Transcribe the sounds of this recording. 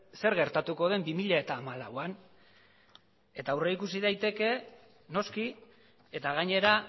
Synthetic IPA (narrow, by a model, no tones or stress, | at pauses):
se̞ɾɣe̞ɾt̪at̪uko̞ð̞e̞mbimiʎae̞t̪aːmalawan | e̞t̪aːwreikusiðajt̪e̞ke̞ | no̞ski | e̞t̪aɣ̞aɲe̞ɾa